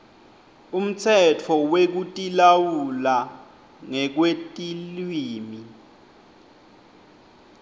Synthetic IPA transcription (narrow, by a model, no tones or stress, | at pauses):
um̩t͡sʰɛtʰɔwek̬utʼilawula | ŋɛk̬wetʼilwiːmi